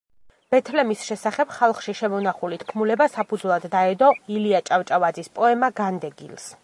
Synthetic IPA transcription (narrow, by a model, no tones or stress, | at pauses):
b̥ɛt̪ʰlɛmisʃɛsaχɛb̥χalˠχʃiʃɛmɔnaχulit̪ʰkʰmulɛbasapʰud̪zwlˠad̪ːaɛd̪ɔiliat͡ʃʼavt͡ʃʼavad̪zispʼɔɛmaɡand̪ɛɡḭlˠs